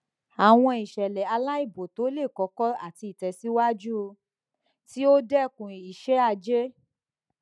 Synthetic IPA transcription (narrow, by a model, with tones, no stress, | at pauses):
a˨w̃ɔ̃˧i˨ʃɛ˨lɛ˨a˧la˦i˦˨bo˨to˨˦le˦˨kɔ˨˦kɔ˦a̰˦˨ti˧i˨tɛ˨si˦wa˦d͡ʒu˦˧ | ti˦o˦dɛ˦˨kũ˨i˨ʃe˨˦a˧d͡ʒe˦